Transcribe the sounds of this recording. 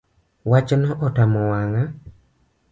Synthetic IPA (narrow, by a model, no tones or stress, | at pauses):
wat͡ʃnɔʔɔtamɔwaŋa